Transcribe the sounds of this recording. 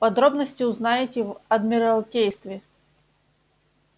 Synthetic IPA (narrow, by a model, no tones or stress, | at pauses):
pɐd̪ɾobnəsʲtʲɪʊznajɪtʲɪvɐd̪mʲɪɾɐlˠkʲejst̪vʲɪ